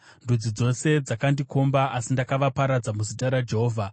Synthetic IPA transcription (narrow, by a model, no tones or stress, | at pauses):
ndud͡zid͡zo̞se̞d͡zakandiko̞mbaʔasindakaʋapaɾad͡zamuzitaɾad͡ʒe̞ɦoːvʱa